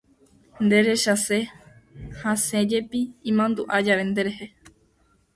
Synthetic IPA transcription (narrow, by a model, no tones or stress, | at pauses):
nd̪e̞ɾe̞ʃase | hãsẽd͡ʒe̞piĩmãnd̪uʔad͡ʒaʋe̞nd̪eɾehe